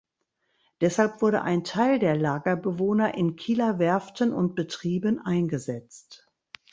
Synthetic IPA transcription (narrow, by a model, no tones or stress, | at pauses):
d̥ɛshalpv̥ʊɐɾə̰ʔaɪntʰaɪldeːɐlaːɡɐbəvoːnɐʔɪnkʰiːlavɛɐftənʊ̰nt̚b̥ətʁ̥iːbənʔaɪnɡəzɛt͡st